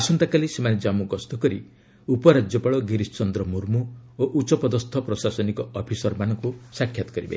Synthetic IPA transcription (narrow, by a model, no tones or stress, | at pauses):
asɔnt̪akalisemaned͡ʒamuɡɔst̪ɔkɔɾḭ | upɔɾad͡ʒjɔpaɭɔɡiɾist͡ʃɔnd̪ɾɔmuɾmuoʔut͡ʃɔpɔd̪ɔst̪ʰɔpɾɔsasɔnikɔɔpʰisɔɾmanɔŋkusakʰjat̪ɔ̥kɔɾibḛ